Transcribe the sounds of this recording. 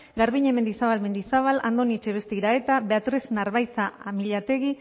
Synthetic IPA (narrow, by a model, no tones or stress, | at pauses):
ɡaɾβiɲe̞me̞nd̪isaβalme̞nd̪isaβ̞ala̰nd̪o̞nit͡ʃeβe̞st̪eiɾae̞t̪aβeat̪ɾesnaɾβajt͡saamiʎat̪e̞ɣi